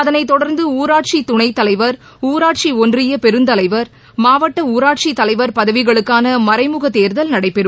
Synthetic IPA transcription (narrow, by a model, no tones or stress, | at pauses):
ɐðɐnɐɪt̪ːɔɽɐɾnd̪ɯuːɾaːʈ̚t͡ʃit̪ːʊɳɐɪt̪ːɐlɐɪʋɐɾ | uːɾaːʈ̚t͡ʃiɔndrɪjɐpɛɾɯnd̪ɐlɐɪʋɐɾ | maːʋɐʈːɐuːɾaːʈ̚t͡ʃit̪ːɐlɐɪʋɐɾpɐðɐʋɪɣɐɭɯkːaːnɐmɐɾɐɪmʊɣɐt̪eːɾðɐlnɐɽɐɪpːɛɾɯ